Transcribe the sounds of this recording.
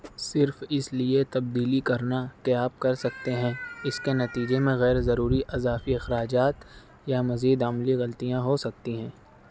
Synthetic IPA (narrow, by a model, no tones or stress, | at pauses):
sɪɾfɪsliet̪ɐb̚d̪iːlikɐɾnakeaːp̚kɐɾsɐk̚t̪eɦɛ̃ɪskenɐt̪iːd͡ʒemẽɣɛːɾzɐɾuːɾiʔɐzaːfiɪxɾaːd͡ʒaːt̪ | jamɐziːd̪ɐmliɣɐlt̪ijãɦosɐk̚t̪iɦɛ̃ː